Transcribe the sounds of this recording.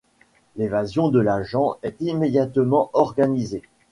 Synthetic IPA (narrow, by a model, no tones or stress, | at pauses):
levazjɔ̃d̪əlaʒɑ̃ɛt̪imed̪jat̪mɑ̃ʔɔʁɡanize